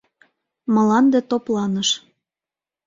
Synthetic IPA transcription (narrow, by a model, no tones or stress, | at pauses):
mɤ̆lɑnd̪et̪oplɑnəʃ